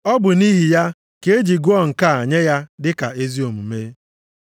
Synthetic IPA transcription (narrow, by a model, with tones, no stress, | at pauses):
ɔ˦bʊ˨ni˦ɦi˨ja˦ | ke˦e˦d͡ʒi˨ɡu˦ɔ˦ŋ̩˨ka˨a˨ɲe˦ja˦dɪ˦ka̰˨e˦zi˦o˨m̩˨me˦